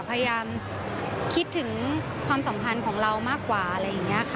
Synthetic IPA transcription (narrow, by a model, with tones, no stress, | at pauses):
pʰa˧ja˧jaː˧m | kʰi˦˥t̪ʰːɯ˩˦ŋ | kʰwaː˧msa˩˦mpʰa˧nkʰɔː˩˦ŋɾa˧wmaː˥˩kːwaː˨˩ʔa˧ɾa˧jːa˨˩ŋːi˦˥ɐ˨kʰ